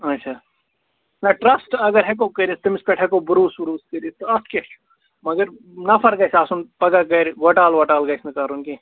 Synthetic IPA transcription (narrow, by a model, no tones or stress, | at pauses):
ɐtːʃʰaː | nɐʈɾɐsʈɐɡəɾɦɛk̬okɐɾist̪ɐmɪspeʈʰɦɛkobɾuːsbɾuːskəɾist̪oɐske | mɐɡəɾ | nɐpʰɐɾɡɐsaːsunpɐɡakɐɾʋɐʈaːlʋɐʈaːlɡɐjsʰnɐkaɾunki